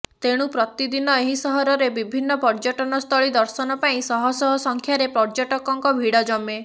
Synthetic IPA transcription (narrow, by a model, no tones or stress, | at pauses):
t̪eɽ̃upɾɔt̪id̪inɔeɦisɔɦɔɾɔɾebibʱinːɔpɔɾd͡ʒɔʈɔnɔst̪ʰɔɭid̪ɔɾsɔnɔpaĩsɔɦɔsɔɦɔsɔŋkʰjaɾepɾɔɾd͡ʒɔʈɔkɔŋkɔbʱiɽɔd͡ʒɔme